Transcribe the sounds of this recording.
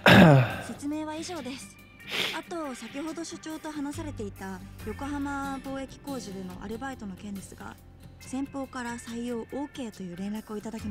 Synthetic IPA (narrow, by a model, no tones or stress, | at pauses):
se̞t͡sɨme̞ːβ̞aiʑo̞ːd̪e̞sɨ̥ | at̪o̞sakʲiho̞d̪o̞ɕɨ̥t͡ɕo̞ːt̪o̞ɦanasaɾe̞t̪e̞it̪ajo̞ko̞ɦamabo̞ːe̞kʲi̥ko̞ːʑiɾɯ̟no̞̰ʔa̰ɾɯ̟bait̪o̞no̞kẽ̞ɲ̟ɾit͡sɨɡ̥a̰ | sẽ̞mpo̞ːkaɾasaijo̞ːʔoːke̞ːt̪o̞jɯ̟ːɾẽ̞nɾakɯo̞it̪ad̪akʲima